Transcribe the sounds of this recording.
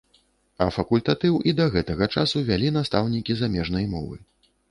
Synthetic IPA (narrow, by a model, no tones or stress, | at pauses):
ɐfɐkulʲt̪at̪ɨwʔid̪ɐɣɛt̪ɐɣɐt͡ʂasuvʲalʲin̪ast̪awnʲikʲizamʲɛʐn̪ɐjmɔ̰vɨ̰